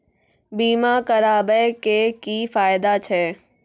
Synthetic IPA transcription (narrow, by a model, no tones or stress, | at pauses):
biːmakɐɾaːbɛkeːkiːfaːɪd̪at͡ɕʰɛː